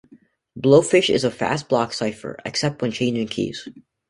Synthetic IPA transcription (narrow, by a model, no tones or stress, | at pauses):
b̥loʊfɪʃɪ̰zəfæ̰st̚b̥lɑksaɪfə̰˞ɨ̰ksɛp̚t̚wɨ̃nt͡ʃʰẽɪ̃nd͡ʒɪ̃ŋkʰḭz̥